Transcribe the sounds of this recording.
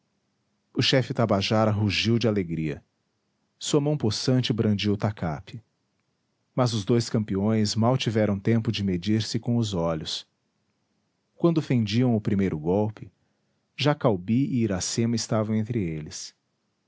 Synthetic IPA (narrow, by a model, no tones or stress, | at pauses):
ʊʃɛfɪt̪abaʒaɾɐɦuʒiwd͡ʒɪaleɡɾiɐ̰ | suɐmɐ̃w̃posɐ̃nt͡ʃɪbɾɐ̃nd͡ʒiwʊt̪aka̰pɪ | mɐzʊzd̪ojskɐ̃mpiõj̃zmawt͡ʃivɛɾɐ̃w̃t̪ẽmpʊd͡ʒɪmed͡ʒiɾsɪkõʊzɔʎʊs | kwɐ̃nd̪ʊfẽnd͡ʒiɐ̃w̃ʊpɾimejɾʔʊɡɔwpɪ | ʒakawbiɪːɾasẽmɐɪst̪avɐ̃w̃ẽnt̪ɾɪelɪs